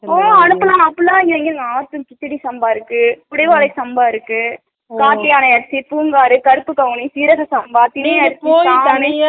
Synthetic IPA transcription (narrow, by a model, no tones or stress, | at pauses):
oːɐnɯpːɯlãːmɐpːɯlãːŋɪɐŋɡɪɾɯŋɡɐaːt̪ːɯkɪt̪ːɪɽisɐmbaːɪɾɯkːɯkʊɽɐɪʋaːlɐɪsɐmbaːɪɾɯkːɯ | kaːʈːɪjaːnɐjɐɾɐsipuːŋɡaːɾɯkɐɾɯpːɯkɐʋɯɳisiːɾɐɣɐsɐmbaːt̪ɪnijɐɾɯt̪ːoːaːne